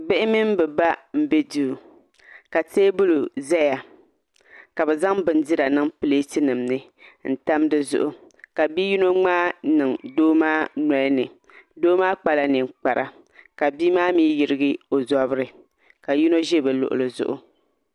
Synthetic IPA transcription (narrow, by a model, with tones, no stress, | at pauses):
bɪ˦ʔɪ˦mi˦m˦bɛ˨ba˦m̩˦be˦duː˦˨ | ka˨teː˦bʊ˦lu˨zɛ˦ja˨ | ka˨bɛ˨za˦ŋbɨ˨n˦di˦ɾa˨nɨ˦ŋpɨ˦le˦tɨ˦nɨ˨mnɨ˦ | n̩˦ta˦mdɨ˦zʊ̰˦ʔʊ˨ | ka˨bi˦ji˦no˦ŋ͡maː˦nɨ˨ŋdoː˦maː˦nɔ˨˦nɨ˨ | doː˦maː˦k͡pa˨la˦ni˨mk͡pa˨ɾʔa̰˨ | ka˨biː˦maː˦miː˦ji˨ɾɪ˦ɡɨ˦o˨zɔ˨˦βɨ˦ɾɨ˨ | ka˨ji˦no˦ʒe˦bɛ˨lʊ̰˨ʔʊ̰˨lɨ˨zʊ̰˦ʔʊ̰˦